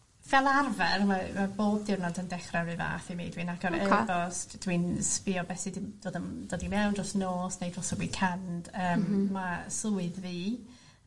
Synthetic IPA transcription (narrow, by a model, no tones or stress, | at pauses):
v̥ɛlˠarvɛrmamaboːb̚dɪrnɔdəndɛχrɛɾɨva̰ːθimḭːdwinaɡɔɾəbɔstd̥winspiɔbɛsidd̥oːdənd̥ɔdimɛwndrɔsnoːsnejdrɔsɔwikʰand̥əːmːasluːɨðviː